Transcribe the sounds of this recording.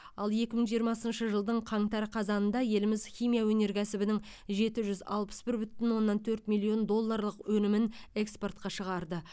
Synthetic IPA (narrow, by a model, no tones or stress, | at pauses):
ɑlˠje̞kʲɪməɴʒijəɾmɑsənʃəʒəlˠd̪əɴqʰɑɴt̪ɑɾqʰɑzɑnənd̪ɑje̞lɪmɪzχʲijmijawɵne̞ɾkʲʰæsɪbɪnɪŋ | ʒe̞t̪ɪʒʏzɑ̰lˠpə̥sbɪɾbʏt̪ɪnwo̞nːɑnt̪ʰɵɾt̪milʲˠio̞nd̪o̞lˠːaɾlˠəqwɵnɪmɪne̞kspo̞rt̪̚qɑʃəʁɑɾd̪ə